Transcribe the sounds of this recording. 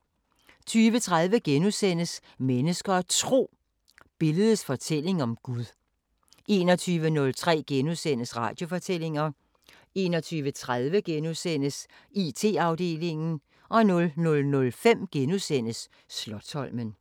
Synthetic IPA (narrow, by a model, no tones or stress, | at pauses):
t͡sʰyːʋət͡sʰʁaðˠʋəɡ̥enusen̰əs | menəsɡ̥ɐt͡sʰʁo̝̰ː | b̥e̝ləð̩ˠəsfɒ̽t͡sʰel̰e̝ŋɒ̽mɡ̥uðˠ | ʔe̝̰ːnɒt͡sʰyːʋənɔ̽lt͡sʰʁɛ̰ːɡ̥enusen̰əsʁɑ̈ːd̥jo̝fɒ̽t͡sʰel̰e̝ŋɐ | e̝ːnɒ̽t͡sʰyːʋət͡sʰʁað̞ˠʋəɡ̥enusen̰əsit͡sʰe̝̰ːɑ̈ʊd̥e̝̰ːle̝ŋn̩ | ʔɒ̽nɔ̽lnɔ̽lnɔ̽lfem̰ɡ̥enusen̰əsː | lɒ̽d̥hɒ̽l̰mən